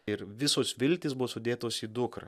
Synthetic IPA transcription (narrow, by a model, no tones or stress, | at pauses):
ɪɾʋʲɪsoːsʋʲɪlʲt̪ʲɪːsbʊʋosʊd̪ʲeːt̪oːsiːd̪ʊkɾɐ̰